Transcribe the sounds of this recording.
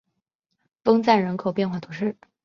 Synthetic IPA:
fɤ˥ŋt͡sa˥˩nɻə˧˥nkʰo˨˩ʊpjɛ˥˧nxwa˥˩t̪ʰu˧˥ʂɻ̩˥˩

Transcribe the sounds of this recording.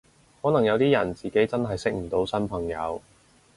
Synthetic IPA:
hɔː˨˥nɐ˨˩ŋjɐ˨˧wt̪iː˥jɐ˨˩nt͡siː˨ke˨˥jt͡sɐ˥nɦɐ˨jsɪ˥k̚m̩˨˩t̪o˨˥wsɐ˥npʰɐ˨˩ŋjɐ˨˧w

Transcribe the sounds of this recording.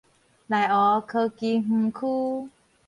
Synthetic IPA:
la˨˩jʔɔ˨˦kʰɤ˧ki˧m̩˧kʰuː˦˥˦

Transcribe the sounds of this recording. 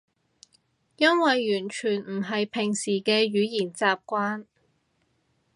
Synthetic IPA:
jɐ˥nwɐ˨jːyː˨˩nt͡ʃʰyː˨˩nm̩˨˩ɦɐ˨jpʰɪ˨˩ŋsiː˨˩kɛː˧ɥyː˨˧jiː˨˩nt͡saː˨p̚kʷaː˥n

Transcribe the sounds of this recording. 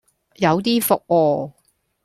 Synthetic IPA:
jɐ˨˧wt̪iː˥fʊ˨k̚wɔː˧

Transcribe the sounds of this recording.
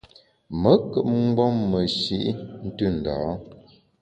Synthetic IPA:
mə˨˦kə˨ʔ̚ŋ͡m̩˦ɡ͡bɔ˦mːə˨ʃi˦ʔn̩˦tʉ˦˨n̩˨da̰˨˦

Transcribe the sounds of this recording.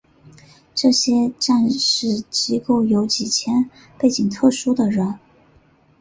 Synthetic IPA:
ʈ͡ʂɤ˥˩ɕjɛ˥ʈ͡ʂa˥˧nʂɻ̩˥˩t͡ɕi˥ko˥˩ʊjo˧˥ʊt͡ɕi˨˩t͡ɕʰjɛ˥n | pe˥˩ɪt͡ɕi˨˩ŋt̪ʰɤ˥˩ʂu˥d̪ə˨ɻə˧˥n

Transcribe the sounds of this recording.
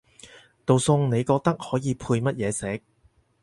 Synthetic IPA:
t̪o˨wsʊ˧ŋne˨˧jkɔː˧k̚t̪ɐ˥k̚hɔː˨˥jiː˨˧pʰuː˧jmɐ˥t̚jɛː˨˧sɛː˨˥k̚

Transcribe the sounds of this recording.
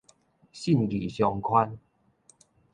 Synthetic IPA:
ɕi˥˨nɡi˨˩ɕjɔ˧ŋkʰwa˦n

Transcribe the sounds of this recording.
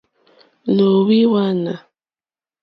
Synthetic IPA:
lo˨wi˦wa˦na˨

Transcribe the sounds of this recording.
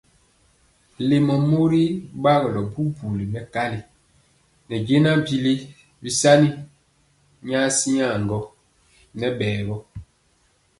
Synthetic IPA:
le˨mɔ˨mo˦ɾi˦ba˦ɣɔ˨lɔ˨bu˦bu˨li˨mɛ˨ka˦li˨ | nɛ˨ɟe˦na˦bi˦le˦ | bi˦sa˦ni˦ | ɲa˦si˦ɲa˦˨ŋɡɔ˦ | nɛ˦ɓɛː˨ɣɔ˦

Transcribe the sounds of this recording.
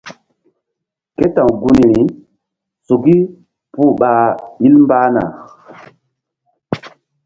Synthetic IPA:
ke˦tã˨ŋɡu˦n˨ɾi˨ | so˨ɡi˦ | pu˦ɓa˨i˦lmba˦na̰˨

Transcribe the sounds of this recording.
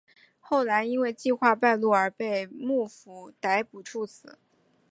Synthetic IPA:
xo˥˩ʊla˧˥ɪi˥nwe˥˧ɪt͡ɕi˥˧xwa˥˧pa˥˧ɪlu˥˩ə˞˧˥pe˥˧ɪmu˥˩fu˧˥t̪a˧˥ɪpu˨˩ʈ͡ʂʰu˥˩t͡sʰɹ̩˨˩˦

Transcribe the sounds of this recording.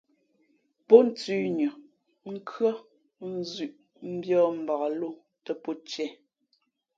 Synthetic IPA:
pɔ˦n̩˨˦tʉ˦ɲʉ˨ | ŋ̩˦kɰə˦ | n̩˦zʉ˨ʔ | m̩˦bjɔː˦m̩˨ba˨a˨lo˦˨ | tɛ˨pɔ˦t͡ʃɛ˦˨

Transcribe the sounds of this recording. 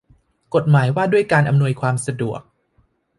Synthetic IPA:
ko˨˩t̪̚maː˩˦jwaː˥˩du˥˩əjkaː˧nʔa˧mnu˧əjkʰwaː˧msa˧du˨˩ək̚

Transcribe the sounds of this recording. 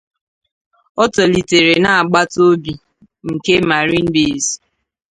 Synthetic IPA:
ɔ˦tɔ˨li˨te˨ɾe˨na˨a˨ɡ͡ba˦to˦bi˨ | ŋ̩˨ke˦ma˨ɾi˦m̩˦bi˦˨zi̥˨

